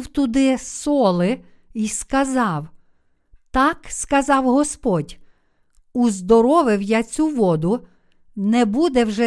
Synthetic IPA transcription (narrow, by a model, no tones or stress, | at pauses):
wt̪ʊd̪ɪsɔlˠɪ | iskɐzɑw | t̪ɑkskɐzɑwɦɔspɔdʲ | uzd̪ɔɾɔʋɪwjat͡sʲuʋɔd̪ʊ | nɛbud̪ɛwʒɛ